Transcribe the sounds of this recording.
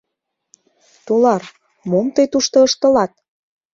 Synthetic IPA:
t̪olɑr | momt̪ɤjt̪uʃt̪ɤ̆əʃt̪ə̆lɑt̪̚

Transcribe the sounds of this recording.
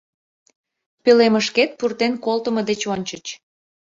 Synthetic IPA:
pøleməʃket̪̚purt̪enkolt̪əməd̪et͡ɕonʲt͡ɕət͡ɕ

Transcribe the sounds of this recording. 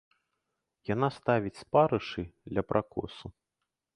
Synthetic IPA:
janast̪avʲit͡sʲspaɾɨʂɨd̪lʲɐpɾʔakɔ̰su

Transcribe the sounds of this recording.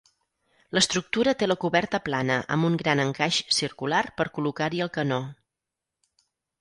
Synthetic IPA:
ləst̪ɾuk̚t̪uɾət̪eləkuβɛrt̪əplanəʔə̰muŋɡɾanəŋkaʃsiɾkularpəɾkulukaɾiəlˠkəno

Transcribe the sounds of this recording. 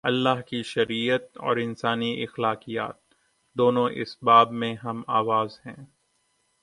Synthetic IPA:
ɐlːaːɦkiʃɐɾiːət̪ɔ̰ːɾɪnsaːniʔɪxlaːqija̰ːt̪̚ | d̪oːnõʔɪ̰sbaːbmẽɦɐmaːʋaːzɦɛ̰̃ː

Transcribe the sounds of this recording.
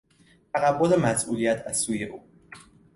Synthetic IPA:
t̪ʰæɣæbːolemæsʔṵːlijæt̪ʰæz̥suːjeʔuː

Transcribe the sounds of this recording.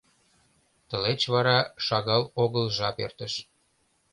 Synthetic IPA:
t̪ə̆let͡ɕβɑɾɑʃɑɣɑloɣəlʒɑpḛrt̪əʃ

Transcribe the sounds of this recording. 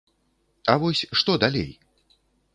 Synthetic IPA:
ɐvɔsʲʂt̪ɔd̪alʲḛj

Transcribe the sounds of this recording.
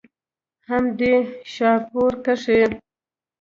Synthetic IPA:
hamd̪eʃɑɾpoɾkaʂe

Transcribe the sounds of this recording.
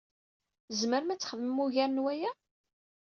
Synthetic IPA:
zməɾmæt͡sːə̥χəðəmːuʝæɾnwæjæ

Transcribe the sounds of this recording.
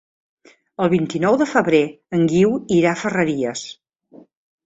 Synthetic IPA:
əlˠβint̪inɔwðəfəβɾe | əŋɡiwiɾafərəɾiəs

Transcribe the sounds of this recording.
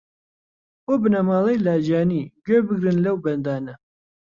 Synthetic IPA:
oːbɨnɐmɑːlˠejlaːd͡ʒaːniɡøbɨɡɾɨnlɐwbɐnd̪aːnɐ

